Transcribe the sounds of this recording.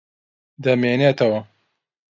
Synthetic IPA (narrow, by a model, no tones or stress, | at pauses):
d̪ɐmeːneːt̪ɐwɐ